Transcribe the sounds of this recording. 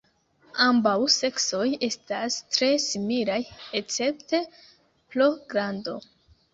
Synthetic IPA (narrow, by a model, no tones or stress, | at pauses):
ambawse̞kso̞je̞stastɾe̞similajet͡se̞p̚te̞ | ploɡɾando̞̰